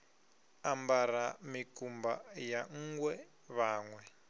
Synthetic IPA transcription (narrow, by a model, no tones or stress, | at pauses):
ambaɾamikumbajaŋ̩ːɡwɛ | βaːŋwɛ